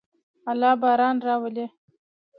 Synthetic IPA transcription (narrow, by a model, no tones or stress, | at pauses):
alɑːbɑːɾɑːnɾɑwəle